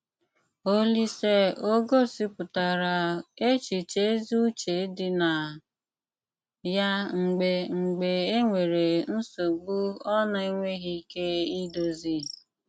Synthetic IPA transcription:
o˦li˦se˦o˦ɡo˦si˦pʊ˨ta˨ɾa˨e˦t͡ʃi˨t͡ʃe˦zu˦t͡ʃe˨˦dɪ˦na˨ | ja˦ŋ͡m̩˨ɡ͡be˨ŋ͡m̩˨ɡ͡be˨e˦ŋʷe˨ɾe˨n̩˦so˨ɡ͡bu˦ɔ˦na˦i˦ŋʷe˦ɣi˦ke˦i˦do˦zi˦

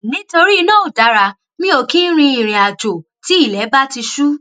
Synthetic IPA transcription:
nĩ˨˦to˧ɾi˦˧nãː˦o˨da˨˦ɾa˧ | nĩ˦o˧kĩ˦n̩˦ɾ̃ĩ˧i˨ɾ̃ĩ˨a˨d͡ʒo˨ | ti˨˦i˦˨lɛ˨˦ba˦ti˧ʃu˦

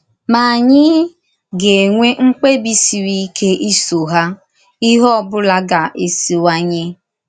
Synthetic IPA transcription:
ma˨a˨ɲɪ˦ | ɡe˨ŋʷe˦ŋ͡m̩˦k͡pe˦bi˦si˨ɾi˦kʰe˦ʔi˦so˨ɦa˦ | i˦ɦɔ˦bʊ˦la˦ɡa˨ʔe˨si˨wa˦ɲe˦

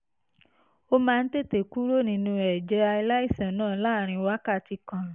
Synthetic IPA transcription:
o˧mãː˧n̩˦te˦˨te˨ku˦ɾo˦nĩ˧nũ˧ɛ˨d͡ʒɛ˧˦a˧i˧la˦i˦˨sã˨˦nãː˦˨˦laː˦˨ɾ̃ĩ˧wa˦ka˦˨ti˧kã˨

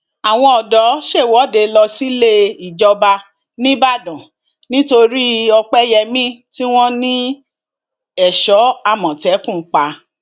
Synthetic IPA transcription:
a˨w̃ɔ̃˧ɔ˨dɔ˨˦ʃe˦˨wɔ˨˦de˧lɔ˧si˦le˦i˨d͡ʒɔ˧ba˧ | nĩ˦ba˦˨dɔ̃˨ | nĩ˦to˧ɾi˦ɔ˧k͡pɛ˦jɛ˧mĩ˦ti˦w̃ɔ̃˦nĩ˦ | ɛ˨ʃɔ˨˦a˧˨mɔ̃˨tɛ˨˦kũ˦˨˦k͡pa˧

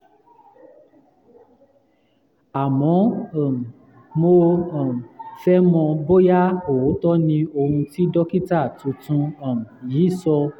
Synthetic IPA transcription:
a˨mɔ̃˨˦˨ | mo˧ɔ̃˨fɛ˦mɔ̃˧bo˦ja˦o˨˦tɔ˦nĩ˧o˧hũ˧ti˦dɔ˦ki˦ta˦˨tũ˧tũ˧ɔ̃˨jiː˨˦sɔ˧

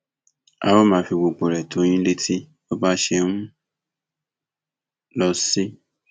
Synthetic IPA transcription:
a̰˨wɔ˦mãː˨˧fi˧ɡ͡bo˨k͡po˨ɾɛ˨tʰo˨˦j̃ĩ˦le˦tʰi˦ | o˦ba˦ʃe˧nũ˦ | lɔ˧si˦

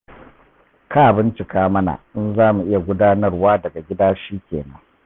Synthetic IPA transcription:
kʰaː˦˨bɪ˦nt͡ʃɪ˨kaː˦mɐ˦na̰˨ʔɪ˦nzaː˦mu˨ʔɪ˦ja˨ɡʷʊ˦daː˦nɐ˦rwaː˦dɐ˨ɡa˨ɡʲɪ˦daː˦ʃiː˦kʲḛː˨nɐ˦ŋ

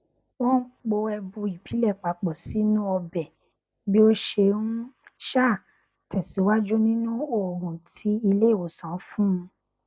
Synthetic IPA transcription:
wɔ̃˦k͡po˧ɛ˧bũ˧i˨bi˨˦lɛ˦˨k͡pa˨˦k͡pɔ˨si˨˦nũ˦ɔ˧bɛ˨ | bi˦o˦ʃe˧nũ˦ʃa˦˨ | tɛ˨si˨˦wa˦d͡ʒu˦nĩ˦nũ˦o˦˨ɾũ˨tʰi˨˦i˧le˦˨o˨sã˨˦fũ˦˧

